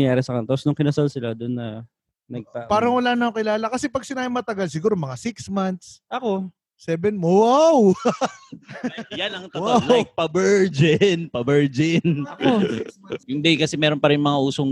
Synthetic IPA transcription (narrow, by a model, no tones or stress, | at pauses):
ŋjaːɾɛsɐkɐnt̪osnʊŋkɪnɐsalsɪlad̪ʊnːɐ | nɐɡ̚tapaːɾɐŋwɐlaːnɐokɪlaːlɐkɐsɛpɐɡ̚sɪnaːhɪmːɐt̪ɐɡals̬ɪɡuːɾo̞mɐŋasɪksmant̪̚sʔɐko̞ | sɛbɛnmwaw | janɐŋt̪ɐwpɐbɛɹd͡ʒɪnpɐbɛɹd͡ʒɪnɐo | ɪnd̪ɛkɐsɛmɛːɾonpɐɾɪnmɐŋaʔuːsoŋ